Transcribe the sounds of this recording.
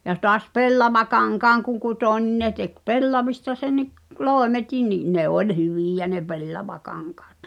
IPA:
jɑ tɔɑs pelːɑʋɑkɑŋkɑːŋ kuŋ kutoˑ nʲin ne tek pelːɑʋistɑ senːiʔ loˑemetin niʔ ne olʲ hyʋiˑjæ ne pelːɑʋɑkɑŋkɑːt

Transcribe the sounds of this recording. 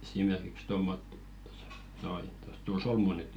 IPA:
esimerkiks tomːotːi̥ to̥sɑ̥ noi to̥s tul solmu nyt

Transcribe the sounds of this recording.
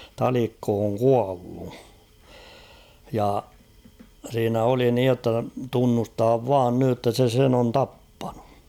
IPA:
tɑlikːo oŋ kuɑlːu jɑ siːnæ oli niːj jotːɑ tunːustɑːʋ ʋɑːn nyj jotːɑ se sen on tɑpːɑ̥n̥u̥

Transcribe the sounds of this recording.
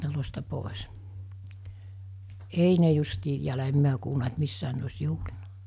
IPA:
tɑlostɑ poˑes ei ne justiː em miæ kuːlnɑ et misːæːn ne osʲ juhlinɑ̥

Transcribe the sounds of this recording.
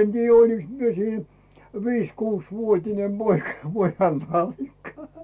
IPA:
en tiːjːæ oliks mie siːn ʋiːsʲ kuːsʲʋuotʲine poikɑ̥ pojɑn nɑlːikːɑ

